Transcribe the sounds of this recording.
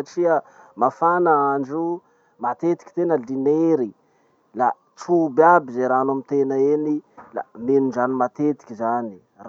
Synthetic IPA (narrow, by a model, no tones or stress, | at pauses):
aʈ͡ʂiə | mafanəaɳd͡ʒu | mat̪et̪i̥ki̥t̪enəlineɾi | la | ʈ͡ʂubabizeɾaanamit̪enəenila̰menuzanimat̪et̪i̥kʲizani | r